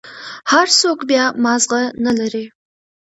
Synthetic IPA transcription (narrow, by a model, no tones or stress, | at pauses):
ħarsoːkʰʷʼbiaːmaːzʁɐnɐlɐɾiː